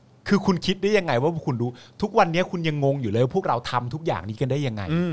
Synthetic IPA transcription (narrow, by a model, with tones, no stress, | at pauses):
kʰɯː˧kʰu˧nkʰi˦˥t̪̚da˥˩ja˧ŋːa˧jwa˥˩˥kʰu˧nduː˧t̪ʰu˦˥k̚wa˧nːi˦˥ɐkʰu˧nja˧ŋːo˧ŋjuː˨˩lɤː˦˥˩pʰu˥˩ək̚ɾa˧wt̪ʰa˧mt̪ʰu˦˥k̚ja̰ː˨˩ŋniː˦˥ka˧ndaː˥˩ja˧ŋːa̰˧jɯː˧